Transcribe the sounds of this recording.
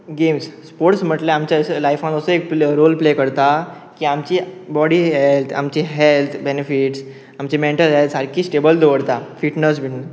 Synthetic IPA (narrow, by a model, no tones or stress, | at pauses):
ɡemsspoɾʈsm̤əʈleamt͡ɕaəslajfãnəsəek̚pɾolplekəɾt̪a | kiːamt͡ɕiːbɔɽiːɦelt̪ʰa̰mt͡ɕiɦelt̪ʰbenefiʈs | amt͡ɕimeɳʈəlɦelt̪saɾkiːsʈebəld̪ʱoʋəɽt̪afiʈnəs̬biʈnə